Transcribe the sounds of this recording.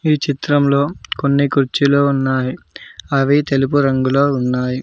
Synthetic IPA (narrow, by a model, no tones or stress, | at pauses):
iːt͡ʃit̪ɾɐmlo̞ːkonːikuɾt͡ʃiloːunːaːji | ɐʋit̪e̞lup̬uɾɐŋɡuloːunːaːji